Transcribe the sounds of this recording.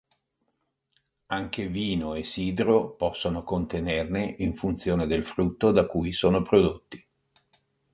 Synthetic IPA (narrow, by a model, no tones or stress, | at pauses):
aŋkeviːnoesiːd̪ɾopɔsːonokont̪enerneʔiɱfunt̪sjoːned̪elfɾut̪ːod̪akuːjsoːnopɾod̪ot̪ːi̥